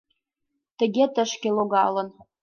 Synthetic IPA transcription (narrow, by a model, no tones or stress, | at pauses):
t̪ə̆ɣʲet̪ə̆ʃkeloɣɑ̰lɤ̆n